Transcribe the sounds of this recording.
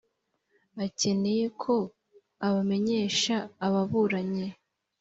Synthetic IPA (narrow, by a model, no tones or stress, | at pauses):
ace̞ne̞je̞kʰo̞ | aβame̞ɲe̞ːʃaːβaβuɾaɲe̞